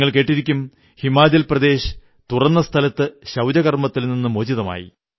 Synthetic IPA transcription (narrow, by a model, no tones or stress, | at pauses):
ŋːɐɭke̞ːʈːiɾikʲːum | himːaːd͡ʑɐlprɐd̪e̞ːɕ | t̪urɐnːɐst̪ʰɐlɐt̪ːɨɕɐwd͡ʑɐɣɐrmɐt̪ːilninːɨmoːd͡ʑiðɐma̰ːjḭ